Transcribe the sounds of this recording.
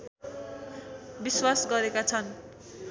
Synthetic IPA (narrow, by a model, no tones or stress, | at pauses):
biswasɡʌɾekat͡sʰʌn